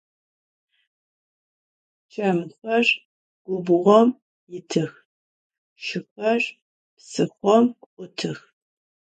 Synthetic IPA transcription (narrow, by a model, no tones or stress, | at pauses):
t͡ʃʰʼɐmɨxʷɐʒ | ɡ̥ʷʊbʊʁʷɔm | jɪtʰɨx | ʃɪxʷɐr | psɨxʷɔmkʷqʷʼʊtʰɨx